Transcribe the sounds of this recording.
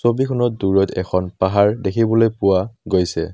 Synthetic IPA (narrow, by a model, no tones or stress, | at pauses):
sobikʰɔnɔt̚duɹɔtʰɛ̰kʰɔnpaɦaɹdekʰibɔlojpʊwaɡojsɛ̰